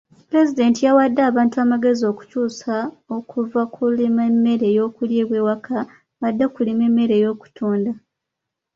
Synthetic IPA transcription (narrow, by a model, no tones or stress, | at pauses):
pɾe̞zide̞ːntijawadːaːβaːntuamaɡe̞zio̞ːku̥cuːsao̞kuvakʰulimemːe̞ɾe̞ːjo̞kuljiːβwe̞ːwakʰa | βadːakulime̞mːe̞ɾe̞ːjo̞ːku̥tʰoːnda